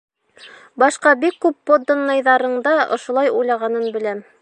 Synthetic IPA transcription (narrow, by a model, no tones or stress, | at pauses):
bɑʃqɑbikːʉpːod̪onːɑjðɑɾɤ̆ɴd̪ɑʔŏ̰ʃŏlˠɑjujlˠɑʁɑnɤnbɘ̆læm